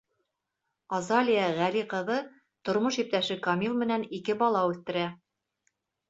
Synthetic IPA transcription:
ɑzɑlʲijəʁæliqɤ̆ðɤ | t̪ŏɾmoʃip̚t̪æʃɘkɐmʲilˠmɘ̆nænikɘbɑlˠɑʉθt̪ɘ̆ɾæ

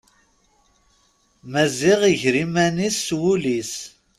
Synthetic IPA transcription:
mæziʁiʝɾimænisːwulis

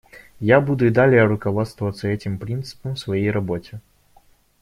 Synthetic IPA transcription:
jabud̪ʊɪd̪alʲɪjəɾʊkɐvot̪st̪vəvət̪səɛtʲɪmpɾʲint̪sɨ̥pəmfsvɐjejrɐbo̞tʲɪ

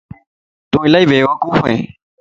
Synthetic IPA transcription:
t̪ũːɪlaiːbʱeːʋəkuːfḛ̃ː

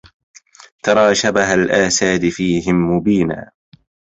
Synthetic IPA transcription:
t̪ɑɾˤɑːʃabaɦalʔaːsaːd̪ɪfiːɦɪmːʊbiːna̰ː

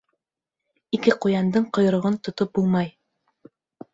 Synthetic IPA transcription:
ikɘqujɑnd̪ɤɴqŏjɤ̆ɾŏʁɤnt̪ŏt̪op̚bulˠmɑj

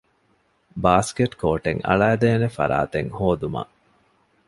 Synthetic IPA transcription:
baːskeʈkoːʈeŋɐ̰ɭæːd̪eːnefɐ̰ɾa̰ːt̪eŋhoːd̪umɐ̰

